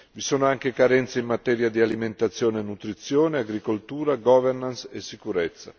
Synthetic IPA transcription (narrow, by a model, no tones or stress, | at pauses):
visoːnoaŋk̟ekaɾɛnt̪seimːat̪ɛːɾjad̪ialiment̪at̪sːjoːnenut̪ɾit̪sːjoːneaɡɾikolt̪uːɾaɡɔːvɛrnansesːikuɾɛt̪sːa̰